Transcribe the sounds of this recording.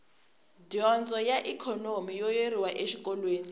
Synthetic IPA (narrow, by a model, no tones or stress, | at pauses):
dɔnd͡zʱɔjaʔikʰɔnomijɔjeɾiwaʔeʃikʼɔlweːni